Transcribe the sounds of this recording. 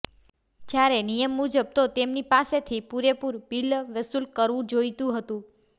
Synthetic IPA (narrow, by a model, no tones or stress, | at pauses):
d͡ʒjaɾenijəmːud͡ʒəb̚t̪ot̪emnipaset̪ʰipuɾepuɾbilʋəsulkəɾʋũd͡ʒojt̪ũɦət̪ũ